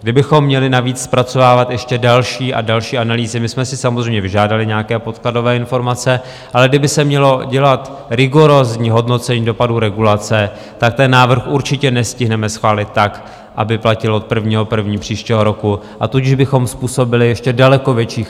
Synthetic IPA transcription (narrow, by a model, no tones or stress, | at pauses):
ɡdɪbɪxo̞mːɲɛlɪnaviːt͡sspɾat͡so̞vaːvat̪jɛʃcɛdalʃiːʔa̰dalʃiːʔanaliːzɪmɪsmɛsɪsamozrɛjmɲɛvɪʒaːdalɪɲɛakɛːpo̞t̪klado̞vɛːɪnfo̞ɾmat͡sɛ | ʔalɛɡ̚dɪbɪsɛmɲɛlo̞ɟɛlat̪ɾɪɡo̞ɾozɲiːɦo̞dno̞t͡sɛɲiːdo̞paduɾɛɡulat͡sɛ | t̪ak̚t̪ɛnːaːvr̩xʔuɾt͡ʃɪcɛnɛscɪɦnɛmɛsxvaːlɪt̪ːak | ʔa̰bɪplacɪloot̪̚pr̩vɲiːɦopr̩vɲiːpr̥iːʃcɛɦo̞ɾo̞ku | ʔat̪ucɪʒbɪxo̞mspuːso̞bɪlɪjɛʃcɛdalɛko̞vjɛt͡ʃiːx